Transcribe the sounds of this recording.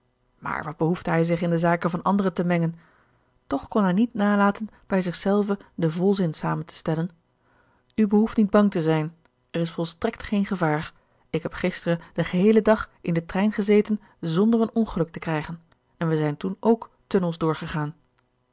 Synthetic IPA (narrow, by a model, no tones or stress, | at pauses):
ma̰ːɹʋɑd̚bəɦuftəɦɛjzɪχɪndəzaːkənvɑnɑndərətəmɛŋən | tɔχkɔnɦɛjnitnaːlaːtən | b̥ɛjzɪχsɛlˠvədəvɔlˠzɪnsaːməntə̥stɛlən | ybəɦuftnid̚bɑŋtəzɛjn | ɛrɪsfɔlˠstrɛktχejnχəvaːɹ | ɪkɦɛpχɪstərəd̥əχəɦejlədɑχʔɪndətrɛjnχəzejtən | zɔndərənɔnχəlɵk̚təkrɛjχən | ɛnʋəzɛjntunowk | tɵnəlˠzdʊːɹχəχaːn